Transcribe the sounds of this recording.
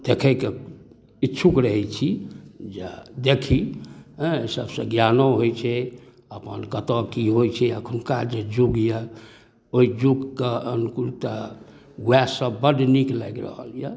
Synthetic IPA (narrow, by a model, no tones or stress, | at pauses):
d̪̥ekʰəke | itːt͡ʃʰʃʰukɾəɦɛt͡ʃʰid͡ʒḛd̪ekʰiɦsəbsə̃ɡjanoɦojt͡ʃʰɛ | əpənkət̪ɔkiɦojt͡ʃʰɛəkʰunkad͡ʒed͡ʒuɡjə | oid͡ʒuɡkeənukuɾt̪ə | ɡɛsəbəɖniklaɡɾə̰ɦə̰ljə